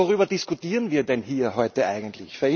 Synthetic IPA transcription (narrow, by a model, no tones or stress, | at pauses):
oʁyːbɐdɪskʊtiːʁənviːɐdɛnɦiːɐɦɔʏtəʔa̰ɪɡn̩tlɪ̰çfɛɐɪ